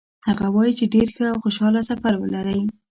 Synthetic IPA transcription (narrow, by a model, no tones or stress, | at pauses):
haɣawɑjit͡ʃeɖeɾxəawxoʃɑlasafaɾwəlaɾəj